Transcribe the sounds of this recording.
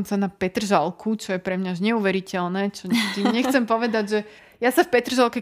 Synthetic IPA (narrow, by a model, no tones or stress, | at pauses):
msanapɛt̪r̩ʒalˠkʰut͡ʃɔjɛpɾɛmɲauʒɲɛuʋɛɾicɛlnɛːt͡ʃɔɲɛɡd̪iɲɛxt͡sɛmpɔʋɛd̪aɟʒɛ | jasafpɛt̪r̩ʒalˠkɛ